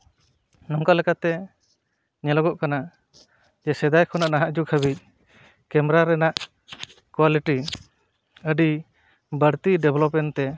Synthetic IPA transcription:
nɔŋkalɛkat̪ɛ | ɲɛlɔɡɔʔkana | d͡ʒɛsɛd̪ajkʰɔnaʔnaɦaʔd͡ʒukʰəβic̚ | kɛmɛɾaɾɛnaʔ | kwaliʈi | əɖi | bəɾt̪iɖɛblɔpmɛnt̪ɛ

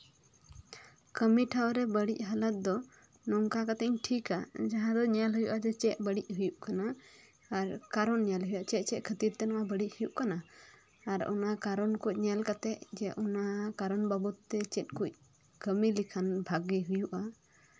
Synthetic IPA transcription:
kəmiʈʰawɾɛbəɽic̚ˀɦalat̪̚d̪ɔ | nɔŋkakat̪ɛɲʈʰikad͡ʒaɦãd̪ɔɲalɦujuʔad͡ʒɔt͡ʃɛʔ̚bəɽic̚ˀɦujuʔkanaː | ɾkaɾɔnɲalɦujaʔt͡ʃɛt̪̚ˀt͡ʃɛc̪̚kʰət̪iɾt̪ɛnɔabəɽic̚hujuʔkanaː | ɾɔ̰nakaɾɔnkuc̚ˀɲalkat̪ɛʔd͡ʒɛʔɔnakaɾɔnbabut̪ːɛt͡ʃɛt̪̚kuc̚ˀ | kəmilikʰanbʱaɡɛɦujuʔa

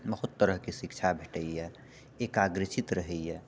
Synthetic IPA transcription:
bəɦut̪ːəɾəɦkesikt͡ʃʰabʱeʈəjjɛ | ekaɡɾit͡ʃit̪ɾəɦɛjjɛ

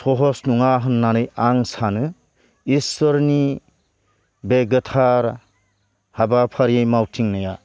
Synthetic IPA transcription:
tʰɔɦɔsnuŋaɦɯnːanɯjaŋsanɯ | isɔɾni | beɡətʰaɾ | habapʰaɾjejmawtʰiŋnaja

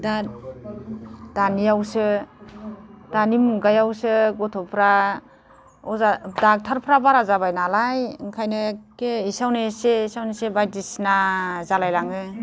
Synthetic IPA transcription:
da | danijawsɯ | danimɡajawsɯɡɔtʰɔpʰɾa | ɔzadak̚tʰaɾpʰɾabaɾazabajnalajŋkʰajnɯkeisawneseisawnesebajdisnazalajlaŋɯ

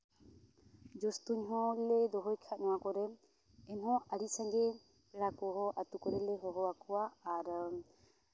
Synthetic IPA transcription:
d͡ʒɔst̪uɲɦɔ̃llɛd̪ɔɦɔjkʰaʔnɔwakɔɾɛ | ɛnɦɔ̃aɾisãŋɡɛ | pɛɽakɔɦɔʔat̪ukɔɾɛlɛɦɔɦɔwakɔwaaɾ

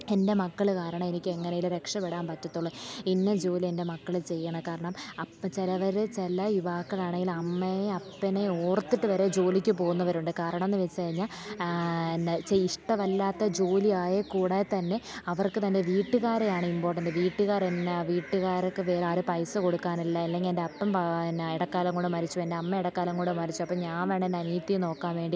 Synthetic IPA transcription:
e̞nde̞mɐkːɐɭkaːɾɐɳɐme̞nikʲːe̞ŋːɐnejilɾe̞kʂɐpeɽaːmpɐtːɐt̪ːuɭːɐinːed͡ʑo̞ːlie̞nde̞mɐkːɐɭilt͡ɕe̞jːɐɳɐkaːɾɐɳɐmɐt͡ɕelɐʋɐɾɨt͡ɕelɐjuʋaːkːɐɭaːɳe̞ŋɡilɐmːeɐpːɐneoːrt̪ːiʈːɨʋɐɾe̞d͡ʑo̞ːlikʲːɨpo̞ːɣunːɐʋɐɾuɳɖɨkaːɾɐɳɐmenːɨʋet͡ɕːɨkɐɻiɲːaːl | nt͡ɕeiʂʈɐmɐlːaːt̪ːɐd͡ʑo̞ːliaːjɐkuːɽet̪ɐnːe̞ɐʋɐrkɨt̪ɐnde̞ʋiːʈːɨɣaːɾejaːɳɨimbo̞ːʈːɐndeʋiːʈːɨɣaːɾenːɐʋiːʈːɨɣaːɾokːɨʋeːɾaːɾɨpɐjsɨko̞ɽukːaːnilːɐɐlːe̞ŋɡiendeɐpːɐmpniɽɐkːaːlɐŋkoɳɖɨmɐɾit͡ɕːuendeɐmːeiɽɐkːaːlɐŋkoɳɖɨmɐɾit͡ɕːuɐpːoːɲaːnʋeːɳenɐniːt̪ːino̞ːkːaːnʋe̞ːɳɖi

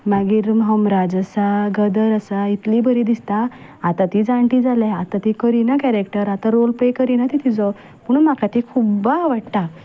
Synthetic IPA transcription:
maɡiɾmɦəmɾad͡zəsaɡəd̪əɾəsait̪liːbəɾid̪ist̪a | at̪ãt̪iːd͡zãɳʈiːd͡zalɛat̪at̪ikəɾinakɛɾekʈəɾat̪aɾolpɾekəɾinat̪it̪ʰid͡zɔ | puɳmakat̪ikʰubaʋaɽt̪a

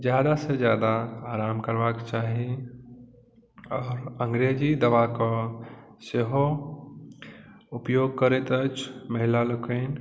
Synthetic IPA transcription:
d͡ʒjad̪ased͡ʒjad̪aːɾaːmkəɾbakt͡ʃaːɦi | ɔːɾə̃ŋɡɾed͡ʒid̪əʋakɔ | seɦo | upjoɡ̚kəɾet̪ət͡ʃʰməɦilaləkən

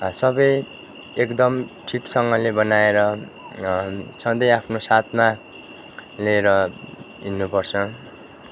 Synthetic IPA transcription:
sʌbʌj | ekd̪ʌmʈʰiksʌŋɡʌlebʌnaeɾʌ | t͡sʰʌ̃d̪ʌjapʰnosat̪ʰma | leɾʌɦinːupʌrt͡sʰʌ

